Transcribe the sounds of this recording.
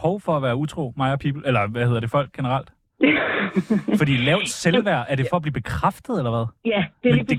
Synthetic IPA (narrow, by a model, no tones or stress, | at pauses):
hɒʊfɒ̽æʋæːɐut͡sʰʁo̝̰ːmɑ̈ɪɐpʰiːb̥l̩elɐʋæhe̝ðˠɐd̥e̝fɒ̽l̰ɡ̥ɡ̥e̝nəʁɑl̰d̥ | fɒ̽d̥ḭːlɛʊd̥selʋæɐ̰ʔæɐɾ̥e̝fɒ̽æb̥liːb̥e̝kʰʁafd̥ð̞̩ˠelɐʋæð̞ˠd̥ed̥e